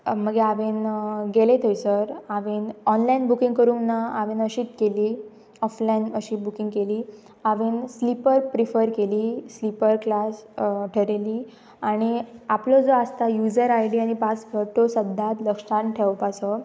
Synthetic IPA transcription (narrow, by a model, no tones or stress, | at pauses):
məɡeaʋenɡelet̪ʰəjsəɾaʋenɔnlainbukĩŋɡkəɾuːnːaaʋenəɕiːt̪keliː | ɔflainəɕiːbukĩŋɡkeliː | aʋenslipəɾpɾifəɾkeliːslipəɾklasʈʰəɾeliː | aɽ̃iaplod͡zoast̪ajud͡zəɾajɽiañipat͡sfʰəɾʈosəd̪ʱːat̪ləkʂaʈʰeʋpasɔ